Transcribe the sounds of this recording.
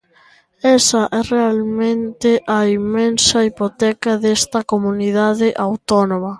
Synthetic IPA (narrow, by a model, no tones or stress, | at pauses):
ɛsɐʔɛrealmẽnt̪ɪʔɐimẽnsɐipot̪ɛkɐðɛst̪ɐkomuniðaðɪʔawt̪ɔnõmɐ